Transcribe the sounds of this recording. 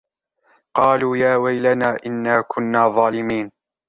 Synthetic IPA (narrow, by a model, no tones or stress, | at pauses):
qɑːluːjaːwajlanaːʔɪnːaːkʰʊnːaːðˤɑːlɪmiːn